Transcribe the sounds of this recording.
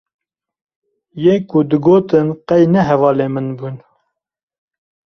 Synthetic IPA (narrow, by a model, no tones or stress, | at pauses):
jeːkud̪ɨɡoːt̪ɨnqɛjnɛɦɛvɑːleːmɨnbuːn